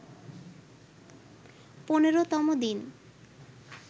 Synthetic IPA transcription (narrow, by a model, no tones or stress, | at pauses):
poneɾot̪ɔmod̪in